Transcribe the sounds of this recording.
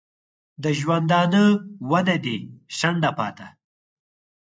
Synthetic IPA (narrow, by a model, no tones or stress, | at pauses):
d̪əʒwand̪ɑːnəwaned̪eʃaɳɖapɑ̰ːt̪a